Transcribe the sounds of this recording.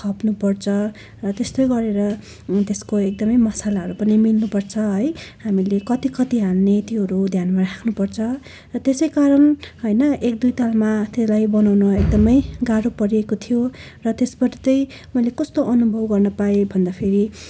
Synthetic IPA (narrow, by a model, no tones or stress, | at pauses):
kʰʌpnupʌrt͡sʰʌ | rʌt̪est̪ojɡʌɾeɾʌ | t̪eskoek̚d̪ʌmʌjmʌsalaɦʌɾupʌnimilnupʌrt͡sʰʌɦʌjhamilekʌt̪ikʌt̪iɦanːet̪iɦʌɾud̪ʱjanmarakʰnupʌrt͡sʰʌ | rʌt̪esʌjkaɾʌnɦʌjnʌek̚d̪ujt̪almat̪eslajbʌnawnʌek̚d̪ʌmʌjɡaɽopʌɾiekot̪ʰijorʌt̪esbʌrt̪ʌj | mʌjlekʌst̪oʔʌnubʱʌbɡʌrnʌpaebʱʌnd̪apʰeɾi